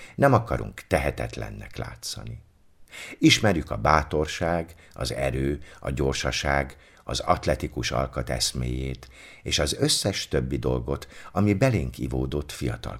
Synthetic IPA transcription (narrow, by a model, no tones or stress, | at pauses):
nɛmɒkɒɾṵŋkt̪ɛɦɛt̪ɛt̪lɛ̰nːɛ̰kla̰ːt̪sɒ̰ni | iʃmɛrjykɒbaːt̪o̞rʃaːɡ | ɒ̰zɛ̰ɾøːɒɟo̞rʃɒʃaːɡ | ɒzɒt̪lɛt̪ikuʃɒ̰lkɒt̪ɛsmeːjeːt̪ | eːʃɒzø̞sːɛʃt̪øbːid̪o̞lɡo̞t̪ɒmibɛleːŋkivoːd̪ot̪fijɒt̪ɒ̰l